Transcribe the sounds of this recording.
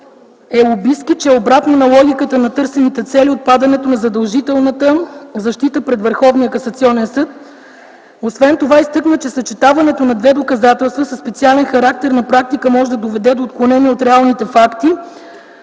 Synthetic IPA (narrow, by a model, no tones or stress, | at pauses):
ɛobiskit͡ʃɛɛobɾat̪nonɐlˠɔɡʲikət̪ənɐt̪ɤɾsɛnit̪ɛt̪sɛliot̪̚pad̪ɐnɛt̪onɐzɐd̪ɐlˠʒit̪ɛlˠnət̪əzɐʃt̪it̪əpɾɛd̪vəɾxɔvnijəkɐsɐt̪siɔnɛnsɤt̪ | osvɛnt̪ovaist̪ɤknət͡ʃɛsɐt͡ʃɛt̪avɐnɛt̪onɐd̪vɛd̪okɐzat̪ɛlˠst̪vəsəspɛt̪sialɛnxɐɾak̚t̪ɛɾnɐpɾak̚t̪ikəmɔʒɛd̪ɐd̪ovɛd̪ɛd̪oːt̪̚klˠonɛniɛot̪ɾɛalˠnit̪ɛfakt̪i